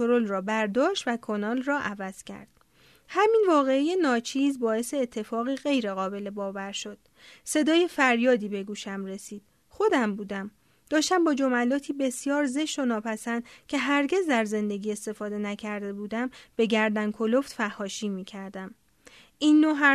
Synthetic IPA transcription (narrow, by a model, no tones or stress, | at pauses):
oɾolrɒːbæɾd̪ɒːʃt̪vækʰonɒːlrɒːʔævæz̥cʰæ̰ɾd̪̥̚ | hæminvɒːɣe̞ijenɒːt͡ʃʰiːzbɒːe̞se̞ːt̪ʰːe̞fɒːɣiːɣe̞jɾe̞ɣɒːbe̞le̞bɒːvæɾʃo̞d̪̥̚ | se̞d̪ɒːje̞fæɾjɒːd̪iːbe̞ɡuːʃæmɾe̞siːd̪̥ | xo̞d̪æmbuːd̪æm | d̪̥ɒːʃt̪æmbɒːd͡ʒo̞mælɒːt̪ʰiːbe̞sjɒːɾze̞ʃt̪o̞nɒːpʰæsænd̪̥cʰe̞ɦæɾɟe̞zd̪æɾze̞nd̪e̞ɡiːe̞st̪e̞fɒːd̪e̞næcʰæɾd̪e̞buːd̪æmb̥e̞ɟæɾd̪ænkʰo̞lo̞ft̪fæhːɒːʃiːmiːcʰæɾd̪æm | ʔiːnːoɦæ